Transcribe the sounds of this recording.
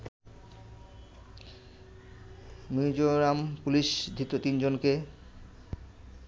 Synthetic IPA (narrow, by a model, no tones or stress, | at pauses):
mid͡ʑoɾampuliʃd̪ʱɾit̪ot̪ind͡ʑonke